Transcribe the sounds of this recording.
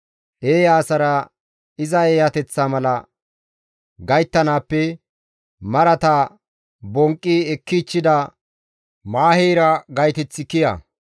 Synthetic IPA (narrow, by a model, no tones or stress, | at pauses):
ʔeːjaːsɐɾɐ | ɪzɐeːjɐt̪ɛt͡sːaːmɐlɐ | ɡɐjt̪ːɐnaːpːɛ | mɐɾɐt̪a | bɔŋkʼːiɛkːit͡ʃːɪd̪ɐ | maːheːɾɐɡɐjt̪ɛt͡sːɪkɪjɐ̰